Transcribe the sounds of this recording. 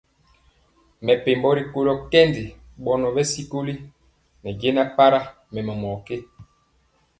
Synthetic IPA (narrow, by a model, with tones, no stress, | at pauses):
mɛ˨pe˨mbɔ˦ɾi˨ko˦lɔ˦kɛ˦ndi˨ | ɓɔ˦nɔ˨bɛ˦si˦ko˦li˦ | nɛ˨ɟe˦na˦pa˦ɾa˦ | mɛ˨mɛ˨mɔ˨ke˦